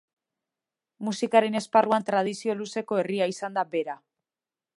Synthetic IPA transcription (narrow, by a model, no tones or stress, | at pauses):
musikaɾe̞ne̞sparuant̪ɾað̞isio̞luse̞ko̞e̞riaisand̪abe̞ɾa